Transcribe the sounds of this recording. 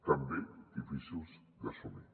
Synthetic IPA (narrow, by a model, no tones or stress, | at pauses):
t̪ambed̪ifisuz | d̪asome